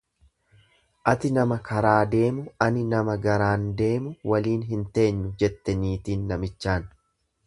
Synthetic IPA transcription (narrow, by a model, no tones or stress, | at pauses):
ʔɐt̪ɪnɐmɐkʰɐɾaːd̪e̞ːmʊɐnɪnɐmɐɡɐɾaːnd̪e̞ːmʊwɐliːnɦɪnt̪e̞ːɲːʊd͡ʒɛt̪ːɛniːt̪iːnːɐmɪt͡ʃːaːn